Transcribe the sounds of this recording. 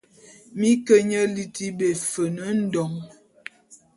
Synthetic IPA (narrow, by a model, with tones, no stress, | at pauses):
mi˦kə˦ɲə˦li˦ti˦be˨fə˨nə˨˦n̩˦dɔ˨ŋ